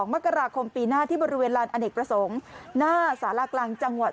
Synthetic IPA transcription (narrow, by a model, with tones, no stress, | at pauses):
ŋma˦˥˩ka˧ɾaː˧kʰo˧mpiː˧naː˥˩t̪ʰiː˥˩bɔː˧ɾi˦˥weː˧nɾaː˧nʔa˧ndeː˨˩kpɾa˧so˩˦ŋnaː˥˩saː˩˦la˧˩klaː˧ŋt͡ɕa˧ŋwa˨˩